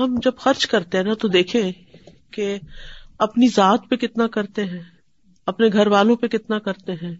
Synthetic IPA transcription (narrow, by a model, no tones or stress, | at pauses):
ɦɐmd͡ʒɐbxɐɾt͡ʃkɐɾt̪eɦɛ̃nat̪od̪eːkʰẽ | ke | ɐpnizaːt̪pekɪt̪nakɐɾt̪eɦɛ̃ː | ɐpneɡʱɐɾʋaːlõpekɪt̪nakɐɾt̪eɦɛ̃ː